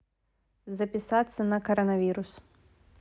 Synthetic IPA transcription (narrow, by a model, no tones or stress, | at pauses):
zɐpʲisat̪sːɐnɐkɐɾɐnɐvʲiɾus